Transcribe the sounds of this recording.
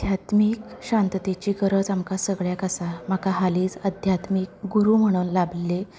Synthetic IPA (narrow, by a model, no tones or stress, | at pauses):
d̪ʱjat̪miːkɕãnt̪ət̪et͡ɕiːkəɾəd͡zamkasəɡɭjakasam̤akaɦaliːt͡səd̪ʱjat̪miːk̚ɡuɾuːm̤əɽ̃unlablːe